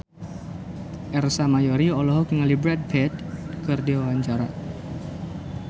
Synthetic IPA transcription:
ʔɛrsamajoɾiɔlɔɦɔkŋalibɾɛt̪̚bɛt̪̚kɨrdiwawaɲt͡ʃaɾa̰

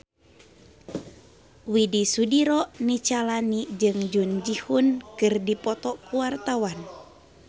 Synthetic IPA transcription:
widisudiɾɔʔnit͡ʃalanid͡ʒɨŋd͡ʒund͡ʒihunkɨrdipɔt̪ɔkuwart̪awan

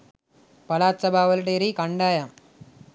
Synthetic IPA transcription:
pɐlaːt͡ʃːɐbaːʋɐlʈeːɾikɐɳɖaːjam

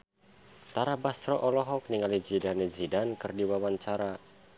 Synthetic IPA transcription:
t̪aɾabast̪ɾɔʔɔlɔɦɔk̚niŋalid͡ʒidaned͡ʒidankɨrdiwawaɲt͡ʃaɾa

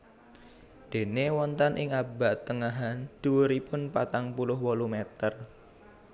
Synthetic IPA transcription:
d̪̥e̤newɔnt̪anʔɪŋabaʔt̪əŋaɦand̪̥uəɾipʊnpat̪aŋpulʊɦwɔlumet̪ər

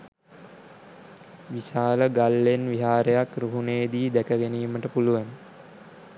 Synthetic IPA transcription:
ʋisaːləɡalːenʋiɦaːɾəjakruɦuneːd̪iːd̪ækəɡeniːməʈəpuluʋan

